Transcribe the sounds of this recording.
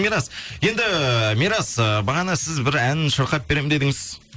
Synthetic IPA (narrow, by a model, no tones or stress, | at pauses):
miɾɑsje̞nd̪ɪmiɾɑsəbɑʁɑnɑsɪzbɪɾænʃəɾqɑt̪̚be̞ɾe̞mɪnd̪e̞d̪ɪŋɪz